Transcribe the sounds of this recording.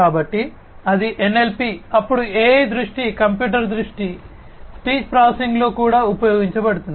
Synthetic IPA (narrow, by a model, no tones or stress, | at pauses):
kaːbɐʈːi | ɐd̪iʔenːe̞lpiɐpːuɽueːd̪ɾuʂʈikɐmpjuːʈ̬ɐɾd̪ɾuʂʈi | spiːd͡ʒpɾaːsiŋɡlo̞ːkuːɽaːupɐjoːɡiɲt͡ʃɐbɐɽut̪un